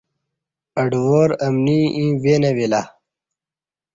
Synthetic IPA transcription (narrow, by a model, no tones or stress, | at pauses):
ɐɖwoːɾɐmniʔĩːweːnɐwila